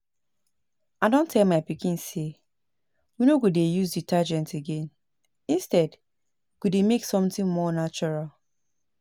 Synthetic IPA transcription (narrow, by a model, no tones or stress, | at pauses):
aɪdõntʰɛlmaɪpikĩnse | winoɡudejuzditʰad͡ʒɛ̃nteɡẽn | ĩnstɛd | ɡ̥udemeksɔ̃mtɪ̃nmɔnat͡ʃɔɹal